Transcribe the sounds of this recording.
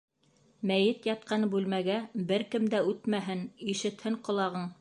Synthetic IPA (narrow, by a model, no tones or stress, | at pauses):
mæjɘt̪jɑt̪̚qɑnbʉlmæɡæbɘɾkɘmd̪æʉt̪mæɦɘniʃɘ̆t̪hɘɴqŏlˠɑʁɤɴ